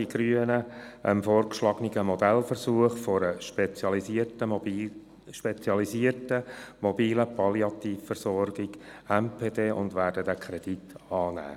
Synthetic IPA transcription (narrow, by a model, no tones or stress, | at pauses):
iɡ̥ɾyənəʔəmfɔːrkʃlɑɡ̥niɡəmɔd̪ɛlfərsuəχfɔɾəʃpɛt͡sjɑlisiərtə | ʃpɛt͡sjɑlisiətəmɔbiːləpʰɑliɑt̪iːfːərsɔrɡɪɡɛmpʰeːdeːʔʊ̰ndʋæːɾdədækʰχɾɛd̥itɑːnæ̰ː